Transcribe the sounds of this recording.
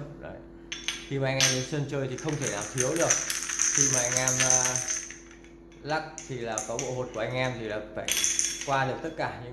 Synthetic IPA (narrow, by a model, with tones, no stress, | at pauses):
no̰˨˦j | xi˧maː˨˩a˧ŋ̟ʔɛ˧zi˨˧˦sə˧nt͡ɕəː˧jt̪ʰi˨˩xə˧wŋ͡mt̪ʰe˧˩naː˨˩wt̪ʰi˨˦əwɗɨ˨˩ək̚xi˧maː˨˩ʔa˧jŋ̟ʔɛ˧mː˨˧ | la˦˥k̚t̪ʰi˨˩laː˨˩kɔ˨˦ɓo̰˧˨ɦo˨˩t̚ku˧˩ʔa˧jŋ̟ʔɛ˧mt̪ʰi˨˩laː˨˩faː˧˩jkwaː˧ɗɨ˨˩ək̚t̪ə˦˥t̚kaː˧˩ɲɨ̰˧˥